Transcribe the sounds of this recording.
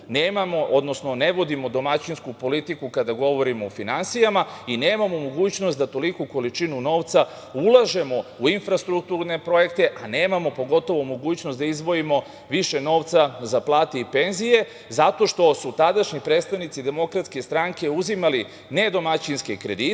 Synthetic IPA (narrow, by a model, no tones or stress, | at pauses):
neːmamo̞ʔo̞d̪no̞sno̞ne̞ʋo̞d̪imo̞d̪o̞mat͡ɕinskupo̞lit̪ikukad̪aɡo̞ʋo̞ɾimo̞ːfinansijamaineːmamomoɡuːt͡ɕno̞st̪d̪at̪o̞likuko̞lit͡ʃinuno̞ːʋt̪sa | ulˠaʒe̞mo̞uinfɾast̪ɾuk̚t̪uɾne̞pɾo̞je̞kt̪e̞ʔane̞ːmamo̞po̞ɡo̞t̪o̞ʋomo̞ɡuːt͡ɕno̞st̪d̪aizʋo̞imo̞ | ʋiʃe̞no̞ːʋt̪sazaplˠaːt̪eipe̞nzije̞ | zat̪o̞ʃt̪o̞sut̪ad̪aʃɲipɾet̪st̪aʋnit̪sid̪e̞mo̞kɾat̪ske̞st̪ɾaŋke̞uzimali | ne̞d̪o̞mat͡ɕinskekɾe̞d̪i